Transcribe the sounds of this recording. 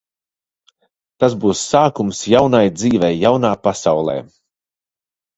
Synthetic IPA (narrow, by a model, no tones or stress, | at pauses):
t̪asbuːsːaːkumsjawnajd̪ziːvɛjːawnaːpasawlˠɛ̰ː